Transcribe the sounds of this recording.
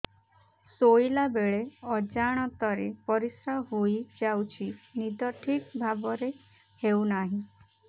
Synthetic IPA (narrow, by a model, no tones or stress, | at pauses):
sojlabeɭeɔd͡ʒaɽ̃ɔt̪ɔɾḛpɔɾisɾaɦojd͡ʒawt͡ʃʰinid̪ɔʈʰikbʱabɔɾe | hewnaɦĩ